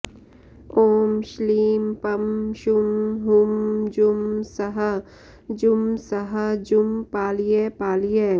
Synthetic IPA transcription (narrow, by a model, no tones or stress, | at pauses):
oːmʃliːmpɐmʃumɦumd͡ʒumsɐɦɐ | d͡ʒʊmsɐɦɐd͡ʒʊmpaːlijeːpaːlije